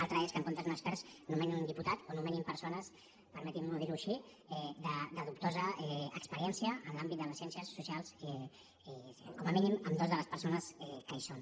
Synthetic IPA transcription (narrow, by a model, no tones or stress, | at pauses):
alˠt̪ɾəeskəŋkont̪əzunəkspɛɾznumɛninund̪iput̪at̪onumɛnimpəɾsonəs | pəɾmɛt̪imnoð̞iɾuʃi | ɛd̪əd̪əðup̚t̪ozəɛəkspəɾiɛnsiəːnlambit̪̚d̪ələsjɛnsiəsːusialˠsɛ | ɛkɔməminiməmd̪ozðələspəɾsonəsɛkəison